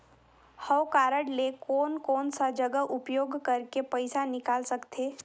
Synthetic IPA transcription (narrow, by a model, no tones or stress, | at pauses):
həwkaːɾəɽlekɔːnkɔːnsad͡ʒəɡəɦʔʊpjoːɡʱkɐɾkepəɪsanɪkaːlsɐkt̪ʰeː